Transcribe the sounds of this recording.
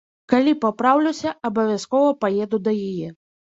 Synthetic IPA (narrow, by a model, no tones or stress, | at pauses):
kalʲipapɾawlʲɛwsʲɐɐbɐvʲaskɔvɐpajɛd̪ud̪ɐjajɛ